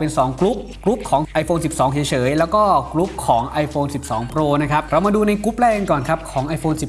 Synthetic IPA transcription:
pe˧nsɔː˩˦ŋkɾu˦˥p̚ | kɾu˦˥p̚kʰɔː˩˦ŋʔa˧jfoː˧nsi˨˩p̚sɔː˩˦ŋsʰi˩˦t͡ɕʰɤː˩˦jlɛː˦˥wkɔː˥˩kɾu˦˥p̚kʰɔː˩˦ŋʔa˧jfoː˧nsi˨˩p̚sɔː˩˦ŋpɾoː˧na˦˥kʰa˦˥p̚ɾa˧wmaː˧duː˧na˧jkɾu˦˥p̚lɛː˥˩ka˧nkɔː˨˩nkʰa˦˥p̚kʰɔː˩˦ŋʔa˧jfoː˧nsi˨˩

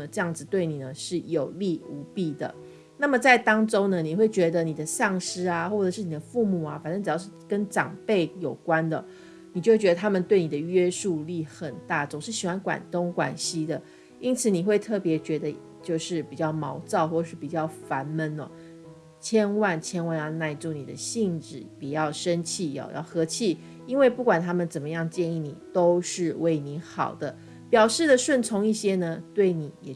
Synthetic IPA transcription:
ə˧ʈ͡ʂɤ˥˧jɑ˥˩ŋd͡zɹ̩˩t̪we˥˩ɪni˨˩nə˦ʂɻ̩˥˩jo˨˩ʊli˥˩u˧˥pi˥˩d̪ə̰˩ | na˥˩mə˨t͡sa˥˩ɪt̪ɑ˥ŋʈ͡ʂo˥ŋnə˨ni˨˩xwe˥˩ɪt͡ɕɥɛ˧˥d̪ə˧ni˨˩d̪ə˦sɑ˥˩ŋʂɻ̩˥a˨xwɔ˥˩ʈ͡ʂə˨˩ʂɻ̩˥˩ni˨˩d̪ə˦fu˥˧mu˥˩a˩fa˨˩nʂɤ˥˩ŋʈ͡ʂɻ̩˨˩jɑ˥ʊʂ̩˥˩kə˦nʈ͡ʂɑ̰˨˩ŋpe˥˩ɪjo˨˩ʊkwa˦nd̪ə˨ | ni˨t͡ɕo˥˩wɥɛ˧d̪ə˧t̪ʰa˥mə˨nt̪we˥˩ɪni˨˩d̪ə˦ɥɛ˥ʂu˥˧li˥˩xə˨˩nt̪a˥˩t͡so˨˩ŋʂɻ̩˥˩ɕi˨˩xwa˧˥nkwa̰˨˩nt̪o˥ŋkwa˨˩nɕi˥d̪ə˨ | i˥nt͡sʰɹ̩˨˩ni˨˩xwe˥˧ɪt̪ʰɤ˥˩pjɛ˧˥t͡ɕɥɛ˧˥d̪ə˧ | t͡ɕjo˥˧ʊʂɻ̩˥˩pi˨˩t͡ɕjɑ˥˩ʊmɑ˧˥ʊt͡sɑ˥˧ʊxwɔ˥˩˨ʂɻ̩˥˩pi˨˩t͡ɕjɑ˥˩ʊfa˧˥nmə˧˥nɔ̰˨˩ | t͡ɕʰjɛ˥nwa˥˧nt͡ɕʰjɛ˥nwa˥˧njɑ˥˧ʊna˥˧ɪʈ͡ʂu˥˩ni˨˩d̪ə̰˦ɕi˥˧ŋʈ͡ʂɻ̩˨˩pi˨˩jɑ˥˩ʊʂə˦nt͡ɕʰi˥˩jɔ̰˨˧jɑ̰˥˩ʊxɤ˧˥t͡ɕʰi˥˩ | i˥nwe˥˧ɪpu˥˩kwa˨˩nt̪ʰa˥mə˨nt͡sə˨˩nmə˦jɑ˥˧ŋt͡ɕjɛ˥˧ni˥˩ni˨˩t̪o˥ʊʂɻ̩˥˧we˥˩ɪni˧˥˦xɑ̰˨˩ʊd̪ə˦ | pjɑ˨˩ʊʂɻ̩˥˩d̪ə˨˩ʂwə˥˩nt͡sʰʊ˧˥ŋi˥˩ɕjɛ˥nə˧t̪we˥˩ɪni˨˩˦jɛ˨˩

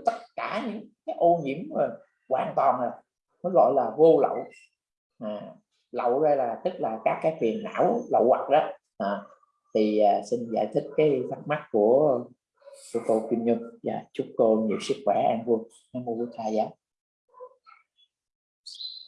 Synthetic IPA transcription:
t̪ə˦˥t̚kaː˧˩ɲɨ̰˧˥ŋkaː˨˦jʔo˧ɲḭ˧˥əmzo˨˩j | kwaː˨˩nt̪waː˨˩nə˨˩ | nɔ˨˦jɣɔ̰˧˨jlaː˨˩vo˧lə̰˧˨w | aː˨˩ | lə̰˧˨wzə˧jlaː˨˩t̪ɨ˦˥k̚laː˨˩kaː˦˥kːaː˨˦jfʰwi˨˩ənːa̰ː˧˥wlə̰˧˨wwa˨˩k̚ɗɔ˨˦ | ʔaː˨˩ | t̪ʰi˨˩aː˨˩si˧nza̰ː˧˩jt̪ʰi˦˥k̟̚kaː˨˦jfʰa˦˥t̚ma˦˥t̚ku˧˩ə | ku˧˦əko˧kwi˧ənɲɨ˧ŋva̰ː˨˩t͡ɕu˦˥t̚ko˧ɲḭ˧˨əmsɨ˦˥ək̚xwɛ˧˩ʔa˧nvu˧əŋ | ʔaː˧nvo˧vu˧˦t̪aː˧jzaː˨˦j

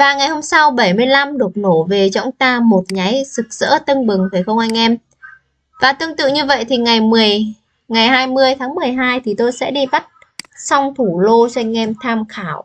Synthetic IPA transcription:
vaː˨˩ŋa˨˩jho˧msa˧wɓə˧˩jmɨ˧əjla˧mɗɨ˨˩ək̚no˧˩ve˨˩t͡ɕɔ̰˧˥wŋ͡mt̪aː˧mo˨˩t̚ɲa˨˦jzɨ˨˩k̚z̥ə̰ː˧˥t̪ə˧nɓɨ˨˩ŋva˧˩xə˧wŋ͡mʔa˧jŋ̟ʔɛ˧m | vaː˨˩t̪ɨ˧əŋt̪ɨ̰˧˨ɲɨ˧və̰˧˨jt̪ʰi˨˩ŋa˨˩jmɨ˨˩əj | ŋa˨˩jɦaː˧jmɨ˧əjt̪ʰaː˨˦ŋmɨ˨˩əjɦaː˧jt̪ʰi˨˩t̪o˧jsɛ̰˧˥ɗi˧ɓa˦˥t̚ | sa˧wŋ͡mt̪ʰu˧˩lo˧t͡ɕɔ˧a˧jŋ̟ʔɛ˧mt̪ʰaː˧mxaː˧˩w

